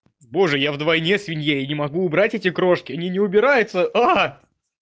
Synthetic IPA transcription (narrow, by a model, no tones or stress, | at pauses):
bo̞ʐɨjavd̪vɐjnʲesvʲɪnʲjeinʲɪmɐɡuːbɾatʲetʲɪkɾo̞ʂkʲɪɐnʲinʲɪʊbʲɪɾajʊt̪səa